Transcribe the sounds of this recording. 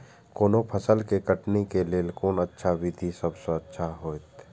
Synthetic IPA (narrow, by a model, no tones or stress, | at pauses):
koːnopʰəsəlkekəʈnekeleːlkoːnətːʃʰaʋid̪ʱisəbsəətːʃʰaɦoːt̪